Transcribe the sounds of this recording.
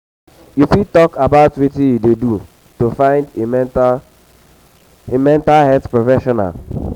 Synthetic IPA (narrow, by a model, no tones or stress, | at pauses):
jufitɔkabaʊtwitĩjudedu | tofãɪ̃ndem | emɛ̃ntalhɛtpɹɔfɛʃɔna̰l